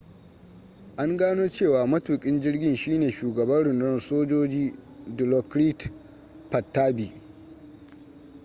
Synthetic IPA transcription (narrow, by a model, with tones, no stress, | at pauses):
ʔa˦ŋɡaː˦noː˦t͡ʃeː˦˨waː˨mɐ˦tuː˨kʲʼɪ˦nd͡ʒɪ˦rɡʲɪ˦nʃiː˦neː˨ʃuː˨ɡɐ˨bɐ˦nɽʊ˨ndʊ˦nsoː˦d͡ʒoː˦d͡ʒiː˦ | dɪ˨lɔ˨kɾi˦t | pɐ˨tːaː˦bi˨